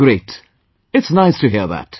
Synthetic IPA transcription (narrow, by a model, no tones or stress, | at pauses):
ɹeɪt | ɨtsnaɪstʰɨɦiɹðæ̰t̚